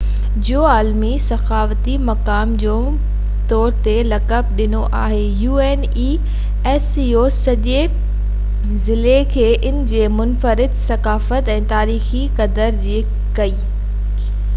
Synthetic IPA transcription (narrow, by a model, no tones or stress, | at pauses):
d͡ʑoːaːlmisɐxaːʋt̪imɐkaːmd͡ʑõː | t̪ɔːɾt̪elɐkəb̚ɗɪnoʔa̰ːɦejuːeːn | iː | eːsiːoːsɐʄe | zɪlekʰeːʔɪnɪ̆d͡ʑeːmʊnfəɾɪd̪sɐkaːfət̪ɛ̃ːt̪aːɾiːxikɐd̪əɾd͡ʑiː | kɐiː